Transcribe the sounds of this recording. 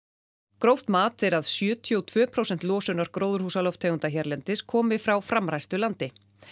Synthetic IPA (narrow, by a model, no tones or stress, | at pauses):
kɾowht̪maːt̪ɛɾaðsjʏːt̪ʰjowt̪ʰv̥œːpʰɾowsɛnt̪lɔːsʏnaɾ̥kɾoːwðʏɾ̥huːsalɔft̪ʰeːjɣʏnt̪açɛɾlɛnt̪ɪskʰɔːmɪfɾawfɾamɾajst̪ʏlant̪ɪ